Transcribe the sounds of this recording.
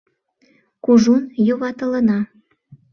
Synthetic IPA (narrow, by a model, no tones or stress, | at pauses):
kuʒunjoβɑt̪ə̆lənɑ